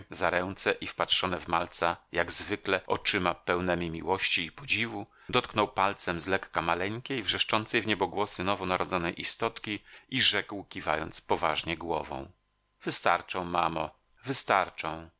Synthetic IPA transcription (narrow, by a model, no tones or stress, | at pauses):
zaɾɛw̃t̪sɛʔifpatʂɔnɛvmalt̪sajaɡzvɘklɛʔɔ̰t͡ʂɘmapɛwnɛmʲimʲiwɔɕt͡ɕiːpɔd͡ʑivu | d̪ɔt̪̚knɔwpalt̪sɛmzlɛkːamalɛɲkʲejvʐɛʂt͡ʂɔnt̪sɛjvɲɛbɔɡwɔsɘnɔvɔnaɾʔɔd̪zɔnɛjʔist̪ɔt̪kʲiiʐɛkwkʲiva̰jɔ̰nt̪spɔva̰ʐɲɛɡwɔvɔ̰̃w̃ | vɘst̪aɾt͡ʂɔ̃w̃mamɔ | vɘst̪aɾt͡ʂɔ̃w̃